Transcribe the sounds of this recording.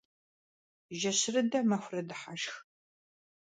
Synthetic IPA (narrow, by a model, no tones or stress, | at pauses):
ʒɐɕɪrɨdɐmɐxʷrɐdɨħaʃx